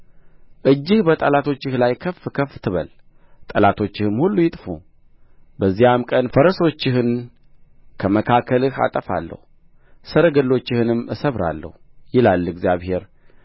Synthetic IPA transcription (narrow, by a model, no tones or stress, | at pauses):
ʔɨd͡ʒːɪhbət̪ʼəlat̪ʰo̞t͡ʃːɪhlajkʰəfkʰəft̪ʰɨβə̰l | t̪ʼəlat̪ʰo̞t͡ʃːɪhɨmhulːujɪt̪ʼfu | bəzːijamkʼənfəɾəso̞t͡ʃːɪhɨn | kʰəməkʰakʰəlɨha̰t̪ʼəfa̰lːə̰hu | səɾəɡəlːo̞t͡ʃːɪhɨnɨmːɨsəβɾa̰lːə̰hujɪlalːɨɡzjaβhe̞ɾ